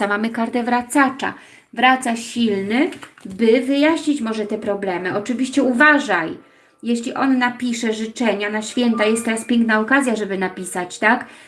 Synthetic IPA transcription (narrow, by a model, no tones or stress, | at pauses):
amamɘkaɾt̪ɛvɾat̪sat͡ʂa̰ | vɾat̪saɕilnɘbɘvɘjaɕɲit͡ɕmɔʐɛt̪ɛpɾɔblɛmɘɔt͡ʂɘvʲiɕt͡ɕɛuvaʐaj | jeɕlʲiʔɔnːapʲiʂɛʐɘt͡ʂɛɲanaɕfʲjɛnt̪ajɛst̪ːɛɾaspʲjɛŋknaɔkazʲjaʐɛbɘnapʲisat͡ɕt̪ak